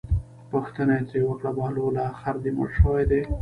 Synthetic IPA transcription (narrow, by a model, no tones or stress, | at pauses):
pəxt̪ənat͡sewəkɽabɑlolɑxaɾd̪imə̰ɽʃəwajd̪e